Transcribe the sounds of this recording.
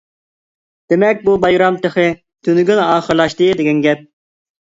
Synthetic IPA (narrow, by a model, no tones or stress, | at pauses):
d̪̥emɛk̚ʲbubɑjɾɑmt̪ʰəχɨ | t̪ʰynɡʲynɑːχəɾlˠɑʃt̪ɨd̪ɪɡʲɛnɡʲɛt̪̚